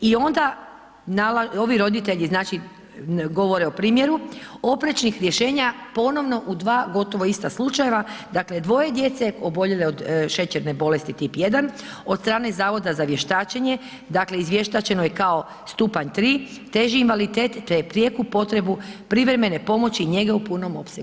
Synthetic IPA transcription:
io̞nd̪a | nalao̞ʋiɾo̞d̪it̪e̞ʎiznaːt͡ʃi | ɡo̞ʋo̞ɾe̞opɾiːmje̞ɾuo̞pɾet͡ʃnixɾje̞ʃe̞ːɲapo̞no̞ʋno̞ʔud̪ʋaːɡo̞t̪o̞ʋo̞ist̪aslˠut͡ʃaje̞ʋad̪akle̞d̪ʋo̞je̞d̪je̞t̪se̞obo̞ʎeleo̞d̪ʃe̞t͡ɕeɾne̞bo̞le̞st̪it̪ipje̞d̪an | o̞dt̪st̪ɾaːne̞zaːʋo̞d̪azaʋje̞ʃt̪aːt͡ʃeɲe̞ | d̪akle̞izʋje̞ʃt̪at͡ɕe̞nojekao̞ | st̪upaɲt̪ɾiː | t̪e̞ʒiːnʋalit̪eːt̪t̪epɾjekupo̞t̪ɾe̞bupɾiʋɾe̞me̞ne̞po̞mo̞t͡ɕiːɲe̞ɡaupuno̞mo̞̰pseɡ

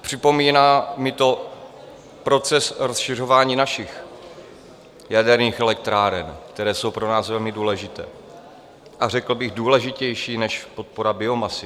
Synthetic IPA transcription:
pr̝̥ɪpo̞miːnaːmɪt̪o̞ | pɾo̞t͡sɛsɾosʃɪr̝o̞vaːɲiːnaʃɪx | jadɛɾɲiːxɛlɛk̚t̪ɾaːɾɛnkt̪ɛɾɛːso̞wpɾo̞naːsvɛlmɪduːlɛʒɪt̪ɛ̰ː | ʔarɛkl̩bɪɣduːlɛʒɪcɛjʃiːnɛʃpot̪̚po̞ɾabɪo̞masɪ

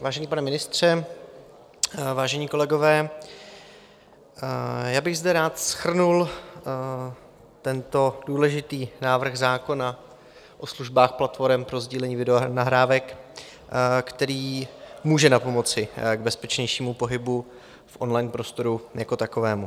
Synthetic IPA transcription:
vaːʒɛɲiːpanɛmɪnɪst̪r̝̥ɛ | vaːʒɛɲiːko̞lɛɡo̞vɛː | jaːbɪɣzdɛɾaːt̪sxr̩nul | t̪ɛnt̪o̞duːlɛʒɪt̪iːnaːvr̩ɣzaːko̞na | ʔo̞sluʒbaːxplat̪fo̞ɾɛmpɾo̞zɟiːlɛɲiːvɪdɛnaɦɾaːvɛk | kt̪ɛɾiːmuːʒɛnapo̞mo̞t͡sɪɡbɛspɛt͡ʃɲɛjʃiːmupo̞ɦɪbu | fʔo̞nlajnpɾo̞st̪o̞ɾujako̞t̪ako̞vɛːmu

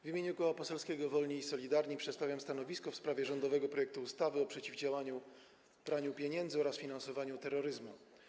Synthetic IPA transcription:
vʲimʲeɲukɔwapɔsɛlskʲɛɡɔvɔlɲiːsɔlʲid̪aɾɲipʂɛt̪st̪avʲjamst̪anɔvʲiskɔfspɾavʲjɛʐɔnd̪ɔvɛɡɔpɾɔjɛk̚t̪uːst̪avɘɔpʂɛt͡ɕivd͡ʑawaɲu | bɾaɲupʲjeɲɛnd̪zɨɔɾasfʲinansɔvaɲut̪ɛɾːɔɾɘzmu

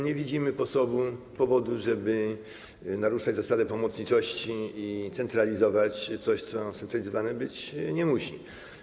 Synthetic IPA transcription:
ɲɛvʲid͡ʑimɘpɔsɔbu | pɔvɔd̪uʐɛbɘ | naɾuʂad͡ʑzasad̪ɛpɔmɔt̪sɲit͡ʂɔɕt͡ɕiːt̪sɛnt̪ɾalʲizɔvat͡ɕt̪sɔɕt̪sɔsɛnt̪ɾalʲizɔvanɛbɘt͡ɕɲɛmuɕi

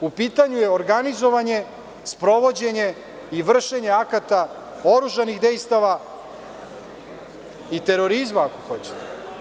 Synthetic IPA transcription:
upiːt̪aɲujeoɾɡanizo̞ʋaɲe̞ | spɾo̞ʋo̞d͡ʑe̞ɲe̞ | iʋr̩ʃe̞ɲe̞akat̪a | o̞ɾuʒaniɣd̪e̞jst̪aʋa | it̪e̞ɾo̞ɾizmaːko̞̥xo̞t͡ɕe̥t̪e

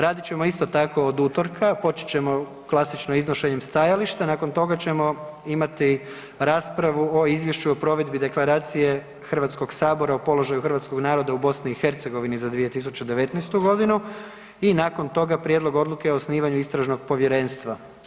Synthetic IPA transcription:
ɾaːd̪it͡ɕe̞mo̞ist̪o̞t̪ako̞od̪uːt̪o̞ɾkʰapo̞t͡ʃi̥t͡ɕe̞mo̞ | klˠasit͡ʃnoiznoʃe̞ɲe̞mst̪ajaliʃt̪anaːko̞nt̪o̞ɡat͡ɕe̞mo̞imat̪i | ɾaːspɾaʋuo̞izʋje̞ʃuopɾo̞ʋe̞d̪bid̪e̞klˠaɾaːt̪sije̞ | xr̩ʋat̪sko̞ɡsaːbo̞ɾaopo̞lo̞ʒajuxr̩ʋat̪sko̞ɡnaːɾo̞d̪aubo̞sniːxe̞ɾt̪se̞ɡo̞ʋinizad̪ʋije̞t̪is̬ut͡ɕed̪eʋe̞t̪najst̪uɡo̞d̪inu | inaːko̞nt̪o̞ɡapɾjed̪lˠo̞ɡo̞d̪luke̞oːsniːʋaɲuist̪ɾaʒno̞ɡpo̞ʋje̞ɾe̞ːnst̪ʋa

